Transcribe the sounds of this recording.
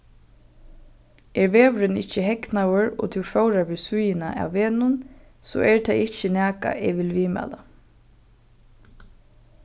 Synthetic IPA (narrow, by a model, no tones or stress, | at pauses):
ɛɹʋeːʋɾɪnɪht͡ʃəɦɛknawəɹɔ̰t̪ʰɪwfoːwɾaɹʋɪsʊjɪna̰ʔa̰wːeːnʊn | sɔ̰ːʔɛɹt̪ʰajɪht͡ʃənæːka̰ʔɛʋɪlʋiːma̰ːla